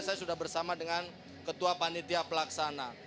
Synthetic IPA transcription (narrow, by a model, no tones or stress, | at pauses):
sajasudahbərsamadəŋan | kət̪uapanit̪iapəlaksana